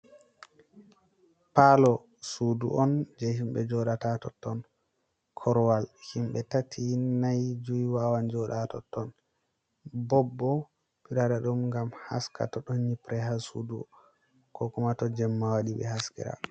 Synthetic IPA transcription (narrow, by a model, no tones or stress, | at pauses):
palɔ | sudṵʔɔnd͡ʒɛhimɓɛd͡ʒɔɗatatɔtːɔn | kʰɔɾwalhimɓɛtatʰinajd͡ʒujwawand͡ʒɔɗatɔ̰tːɔn | bɔbːɔ | piɾaɾaɗumŋɡamha̰skʰa̰tɔɗɔnɲipɾɛɦasuduɔ | kɔkumatɔd͡ʒɛmːawaɗiɓɛ̰haskɛ̰ɾa̰